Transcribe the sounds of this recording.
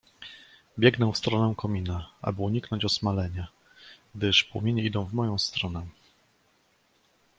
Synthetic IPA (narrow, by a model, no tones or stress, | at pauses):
bʲjɛɡnɛw̃fst̪ɾɔnɛw̃kɔmʲinaʔa̰bɘuɲiknɔɲt͡ɕɔsmalɛɲa | ɡ̚d̪ɘʂpwɔmʲeɲɛid̪ɔ̃w̃vmɔjɔ̃w̃st̪ɾɔnɛ